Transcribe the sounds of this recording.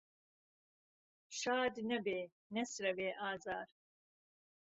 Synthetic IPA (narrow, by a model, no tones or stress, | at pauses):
ʃaːd̪nɐbeː | nɐsɾɐveːʔaːzaːɾ